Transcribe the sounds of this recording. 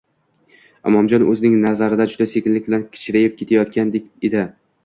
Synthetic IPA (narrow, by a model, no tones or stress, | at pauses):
ɒmɒmd͡ʒɒnɵzɪnɪŋnazaɾɪd̪ad͡ʒʊd̪asekʲɪnlɪk̚ʲbɪlankʲʰɪ̥t͡ʃʰɪɾajɪp̚kʲʰe̞t̪ʰajɒt̪̚kʲand̪ekʲed̪ɪ